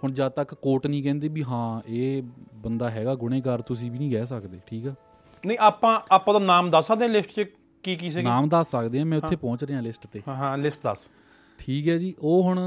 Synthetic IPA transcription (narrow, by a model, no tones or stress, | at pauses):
hʊɳd͡ʒãːt̪əkːoːʈnĩːkɛ̃ːnd̪eːbiːɦãːeːbənd̪aːɦɛːɡaːɡʊɽ̃eːkəɾt̪ʊsĩːbiːnĩːɡɛːsəkd̪eːʈʰiːkɛː | nəĩːaːpãːaːpãːd̪aːnaːmd̪əsaːd̪ẽlɪsʈt͡ʃə | kiːkiːsenaːmd̪əsːəkd̪eːãːmɛ̃ːʊːeːpɔ̃ːt͡ʃɾeːãːlɪsʈt̪eːɦãːlɪsʈd̪ə̰s | ʈʰiːkɦɛːd͡ʒiːʔoːɦʊɳ